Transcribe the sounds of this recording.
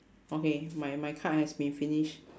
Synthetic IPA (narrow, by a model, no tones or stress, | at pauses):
okemajmajkʰaʔt̚hɛsbĩnfiniʃ